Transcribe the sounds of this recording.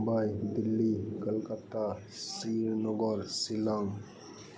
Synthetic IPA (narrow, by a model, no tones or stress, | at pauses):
bajd̪ilːikəlkət̪a | siɾnɔɡɔɾsilaŋ